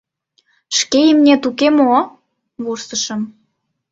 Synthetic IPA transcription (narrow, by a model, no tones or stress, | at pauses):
ʃkejəmnʲet̪ukemo | βursə̆ʃə̆m